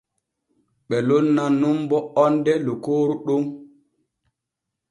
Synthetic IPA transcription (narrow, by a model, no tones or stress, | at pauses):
ɓɛlonːanumbɔɔndɛlokoːɾuɗum